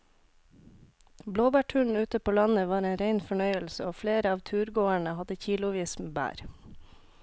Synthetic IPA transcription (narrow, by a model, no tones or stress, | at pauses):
bloːbæːʈʰʉːɳ̩ʉːt̪əpʰoːlɑnəʋɑːɾeːnɾeɪnfɔɳœʏəlsəoːfleːɾəɑːʋt̪ʰʉːɾɡoːæɳəhɑd̪əçiːlʊʋiːsmbæ̰ːɾ